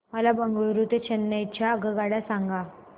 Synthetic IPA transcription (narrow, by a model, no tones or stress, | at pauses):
məlabəŋɡəɾut̪et͡ɕʰənːajt͡ɕjaəɡəɡaɽasaŋɡa